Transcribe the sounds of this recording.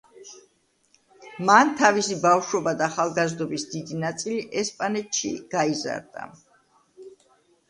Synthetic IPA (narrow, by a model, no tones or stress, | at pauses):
mant̪ʰavisibafʃwɔbad̪aːχalˠɡazd̪ɔbisd̪id̪inat̪sʼiliʔɛspʼanɛt̪ʃḭɡ̥aiza̰ɾd̪a̰